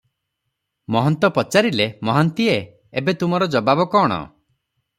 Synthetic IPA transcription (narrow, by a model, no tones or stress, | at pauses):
mɔɦɔnt̪ɔpɔt͡ʃaɾilemɔɦɔnt̪ie | ebet̪umɔɾɔd͡ʒɔbabɔkɔːɽ̃ɔ̰